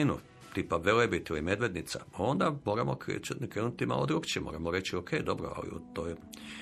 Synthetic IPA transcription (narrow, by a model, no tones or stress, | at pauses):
inṵ | t̪ipaʋelebit̪ilime̞d̪ʋed̪nit̪sa̰ao̞nd̪amo̞ːɾamokḛkɾenut̪ima̰ːlˠod̪ɾukt͡ɕimo̰ɾamoɾe̞t͡ɕiokʰejd̪o̞bɾoa̰lḭṵt̪oj